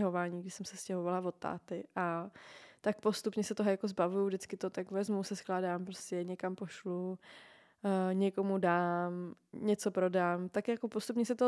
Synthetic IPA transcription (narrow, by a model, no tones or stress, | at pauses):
ɦovaːɲiːɡdɪsɛmsɛscɛɦovalavo̞t̪ːa̰ːt̪ɪʔa | t̪ak̚po̞st̪upɲɛsɛt̪oɦojakozbavujuvdɪt͡skɪt̪ot̪akvɛzmuwsɛsklaːdaːmpɾoscɛɲɛkampo̞ʃlu | ɲɛko̞mudaːmɲɛt͡so̞pɾo̞daːmt̪akjako̞post̪upɲɛsɛt̪o